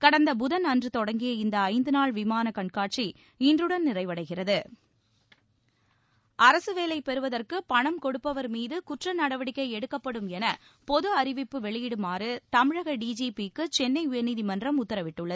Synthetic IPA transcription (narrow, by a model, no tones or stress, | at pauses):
kɐɽɐnd̪ɐbʊðɐnɐndrɯt̪ɔɽɐŋɡɪjɐɪnd̪ɐɐɪnd̪ɯnaːɭʋɪmaːnɐkɐɳkaːʈ̚t͡ʃi | ɪndrɯɽɐnnɪrɐɪʋɐɽɐɪɣɪrɐðɯ | ɐɾɐsɯʋeːlɐɪpɛɾɯʋɐðɐrkɯpɐɳɐmkɔɽɯpːɐʋɐɾmiːðɯkʊʈrɐnɐɽɐʋɐɽɪkːɐɪɛɽɯkːɐpːɐɽɯmɛnɐ | pɔðɯɐɾɪʋɪpːɯʋɛɭɪjɪɽɯmaːrɯt̪ɐmɪɻɐɣɐɖiːd͡ʒiːpikːɯt͡ʃɛnːɐɪʊjɐniːðimɐndrɐmʊt̪ːɐɾɐʋɪʈːɯɭːɐð